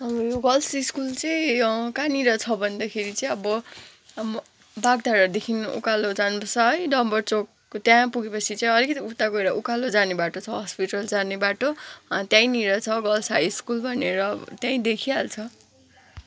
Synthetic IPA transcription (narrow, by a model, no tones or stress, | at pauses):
ʌbjoɡʌlsiskult͡sʌĩkaniɾʌt͡sʰʌbʱʌnd̪akʰeɾit͡sʌĩʌbʌ | baɡ̚d̪ʱaɾʌd̪ekʰinṵkalod͡zanpʌsʰʌʌjɖʌmbʌrt͡sok | t̪jãpuɡepʌt͡sʰit͡sʌĩʌlikʌt̪iut̪ːakoeɾʌʔukalod͡zanebaʈot͡sʰʌɦʌspiʈʌld͡zanebaʈot̪jãĩniɾʌt͡sʰʌɡʌlsajiskulbʱʌneɾʌt̪jãĩd̪ekʰialt͡sʰʌ